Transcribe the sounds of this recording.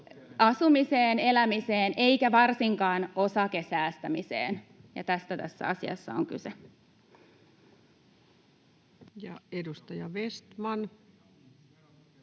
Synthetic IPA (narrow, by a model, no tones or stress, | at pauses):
ʔɑsumiseːne̞læmiseːnʔe̞ikæʋɑrsiŋkɑːnosɑkesæːst̪æmisḛːnjɑ̰t̪æst̪æt̪æ̰sːæ̰ɑsiɑ̰sːɑ̰o̰ŋky̰se | jɑedust̪ɑjɑʋest̪mɑn